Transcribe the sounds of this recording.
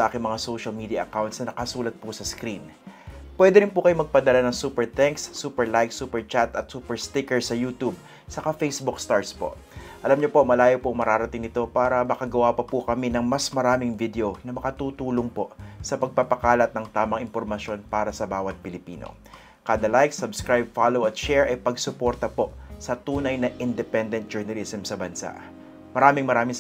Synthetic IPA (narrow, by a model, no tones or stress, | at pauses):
sɐʔaːkɪŋmɐŋasowʃɐlmid̪iɐʔɐkawnt̪sɐnɐkɐsuːlɐt̪̚pʊsɐskɾin | pwɛd̪ɛɾɪnpukɐjomɐɡ̚pɐd̪ɐlanɐŋsuːpɛɹt̪ɛŋksːuːpɛɹlajksuːpɛɹt͡ʃat̪ʔɐt̪suːpɛɹst̪ɪkɛɹsɐjuːt̪ub̚ | sɐkafejsbukst̪aɹspo̞̰ʔ | ʔɐlamɲopo̞mɐlaːjopʊɐŋmɐɾaːɾɐt̪ɪŋnɪt̪o̞paːɾɐmɐkɐɡɐwapɐpukɐminɐŋmɐsmɐɾaːmɪŋvid̪ɛonɐmɐkɐt̪uːt̪uːloŋpo̞ʔsɐpɐɡ̚papɐkaːlɐt̪̚nɐŋt̪aːmɐŋɪmpoɾmɐʃjo̞npaːɾɐsɐbaːwɐt̪̚pɪlɪpiːno̰ | kaːd̪ɐlajk̚sɐbskɹajb̚falowɐt̪̚ʃɛɹʔɐjpɐɡsʊpo̞ɾt̪ɐpo̞ʔsɐt̪uːnɐjnɐʔɪnd̪ɛpɛnd̪ɛnt̪̚d͡ʒɛɹnɐlisɛmsɐbɐnsa̰ʔ | mɐɾaːmɪŋmɐɾaːmɪ